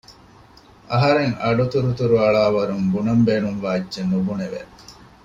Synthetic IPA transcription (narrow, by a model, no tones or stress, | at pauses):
ʔɐɦɐɾeŋɐ̰ɖut̪uɾut̪uɾuɐɭaːʋɐɾuŋbunɐmbeːnuŋʋaːidʒenubuneʋḛ